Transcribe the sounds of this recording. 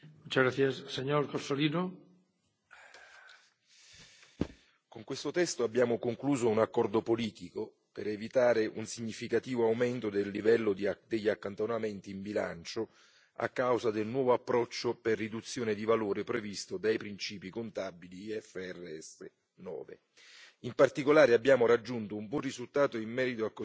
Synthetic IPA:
mut͡ʃaɣɾaθjasseɲoɾkosolino | koŋkwest̪ot̪ɛst̪oabːjaːmokoŋkluːzounakːɔrd̪opoliːt̪iko | peɾevit̪aːɾeʔṵnsiɲːifikat̪iːvoawment̪od̪elːivɛlːod̪d̪eʎːakːant̪onament̪iːmbila̰nt͡ʃo | a̰kːawzad̪elnwɔːvoapːɾɔt͡ʃːoperːid̪ut̪sːjoːned̪ivaloːɾepɾevist̪od̪ajpɾint͡ʃiːpikont̪abiliɛfːeɛrːeɛsḛ | nɔ̰ːvḛ | impart̪ikolaːɾeabːjaːmoɾad͡ʒːunt̪oumbwɔnrizult̪aːt̪oimːɛːɾit̪oakː

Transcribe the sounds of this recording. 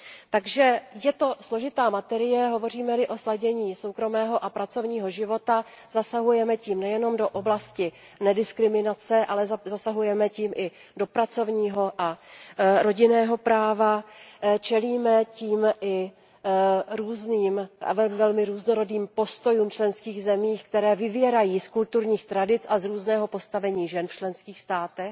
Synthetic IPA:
t̪aɡʒɛjɛt̪o̞slo̞ʒɪt̪aːmat̪ɛɾɪjɛɦo̞vo̞r̝iːmɛlɪʔo̞slaɟɛɲiːso̞wkɾo̞mɛːɦo̞ʔapɾat͡so̞vɲiːɦo̞ʒɪvo̞t̪a | zasaɦujɛmɛciːmnɛjɛno̞mdo̞ʔoblascɪ | nɛdɪskɾɪmɪnat͡sɛʔalɛzzasaɦujɛmɛciːmʔɪ | do̞pɾat͡so̞vɲiːɦoʔa | ɾo̞ɟɪnɛːɦo̞pɾaːvat͡ʃɛliːmɛciːmʔɪ | ɾuːzniːma̰vɛmvɛlmɪɾuːznoɾo̞diːmpo̞st̪o̞juːmt͡ʃlɛnskiːɣzɛmiːxkt̪ɛɾɛːvɪvjɛɾajiːskult̪uɾɲiːxt̪ɾadɪt͡sazɾuːznɛːɦo̞po̞st̪avɛɲiːʒɛnft͡ʃlɛnskiːxst̪aːt̪ɛx

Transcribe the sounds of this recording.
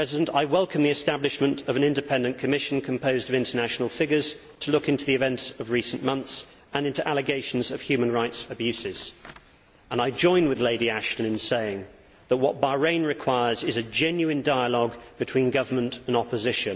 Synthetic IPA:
ɹɛzɪdə̃ntaɪwɛlˠkə̃mðiɨstæblɨʃmə̃ntəvə̃nɪ̃ndɨpʰɛ̃ndɨ̃nkʰəmɪʃn̩kʰə̃mpʰəʊzdəvɪ̃ntənæʃn̩əl̩ˠfɪɡəz̥ | tʰəlʊkɪ̃ntʉðiɨvɛ̃ntsəvɹiˑsə̃n̩mʌ̃nθs | ə̃nɪ̃ntuʔalɨɡeɪʃn̩zəv̥hjʉmə̃nɹaɪtsəbjʉsɪz̥ | ə̃naɪd͡ʒɔ̃ɪ̃nwɨðleɪɾiæʃtə̃nɨ̃nseɪɪ̃ŋ | ðəʔ̚wɒt̚b̥ɑɹẽɪ̃nɹɨkʰw̥aɪə˞zɪzɨd͡ʒɛ̃njʉɪ̃ndaɪəlɔɡb̥ɨtʰw̥ĩnɡʌvəmə̃ntə̃nɒpəzɪʃɨ̃n

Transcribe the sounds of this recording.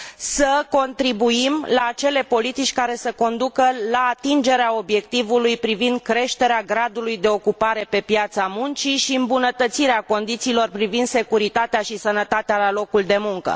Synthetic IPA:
səko̞nt̪ɾibuimlaːt͡ʃe̞le̞po̞lit̪it͡ʃʲkaɾe̞səko̞nd̪ukəlaːt̪ind͡ʒe̞ɾeao̞bje̞k̚t̪ivulujpɾivind̪̚kɾe̞ʃt̪e̞ɾeaɡɾad̪ulujd̪e̞o̞kupaɾe̞pe̞pjat̪samunt͡ʃiʃiɨmbunət̪ət̪siɾeako̞nd̪it̪siːlo̞rpɾivind̪se̞kuɾit̪at̪eaʃisənət̪at̪ealalo̞kuld̪e̞muŋkə̰

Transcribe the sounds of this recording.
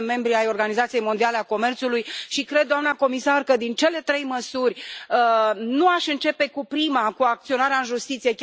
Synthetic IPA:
me̞mbɾiajo̞rɡanizat̪sijejmo̞nd̪iale̞ako̞me̞rt̪sulujʃikɾed̪̚ːoamnako̞misarkəd̪int͡ʃe̞le̞t̪ɾe̞jməsurʲənuaʃɨnt͡ʃe̞pe̞kupɾimakuak̚t̪sio̞naɾeaɨnʒust̪it̪sije̞kʲ

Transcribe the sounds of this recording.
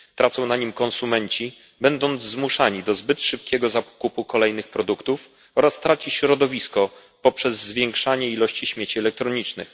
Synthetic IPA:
t̪ɾat̪sɔ̃w̃naɲimkɔnsumɛɲt͡ɕi | bɛnd̪ɔnd̪zzmuʂaɲid̪ɔzbɘt̪ʂɘp̚kʲɛɡɔzapkupukɔlɛjnɘxpɾɔd̪ukt̪uf | ɔɾast̪ɾat͡ɕiɕɾɔd̪ɔvʲiskɔ | pɔpʂɛzːvʲjɛŋkʂaɲɛilɔɕt͡ɕiɕmʲjet͡ɕiɛlɛk̚t̪ɾɔɲit͡ʂnɘ̰x

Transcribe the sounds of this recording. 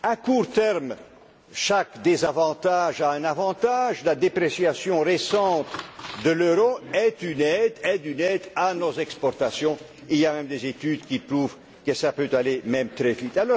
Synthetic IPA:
akuʁt̪ɛʁm | ʃakd̪ezavɑ̃t̪aʒaɛ̃navɑ̃t̪aʒlad̪epɾesjasjɔ̃ʁesɑ̃t̪d̪əløɾoɛt̪ynɛd̪ɛd̪ynɛd̪anozɛkspɔʁt̪asjɔ̃ | iliamɛmd̪ezet̪yd̪kʲipruv | kəsapøt̪alemɛmt̪ʁɛvit̪alɔʁ

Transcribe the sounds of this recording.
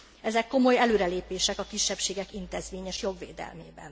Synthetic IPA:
ɛzɛkːo̞mo̞jɛløːɾɛleːpeːʃɛkɒkiʃːɛpʃeːɡɛkint̪ezʋeːɲɛʃjo̞ɡʋḛːd̪ɛ̰lmeːbɛ̰n

